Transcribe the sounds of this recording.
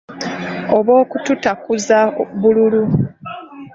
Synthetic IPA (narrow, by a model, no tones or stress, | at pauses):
oβwo̞ːkututakuzaβululu